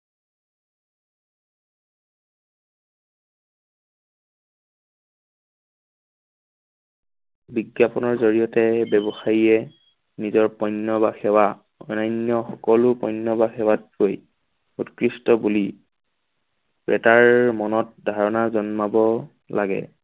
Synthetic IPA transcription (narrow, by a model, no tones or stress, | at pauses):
biɡjapɔnɔɹzoɹijɔtɛbɛbɔxajiɛ | nizɔɹpɔjnːɔbaxɛwa | ɔnajnjɔxɔkɔlʊpɔjnːɔbaxɛwat̚koj | utkɹistɔbuli | pɹɛ̰taɹmɔnɔt̚dʱaɹɔnazɔnmabɔ | laɡɛ̰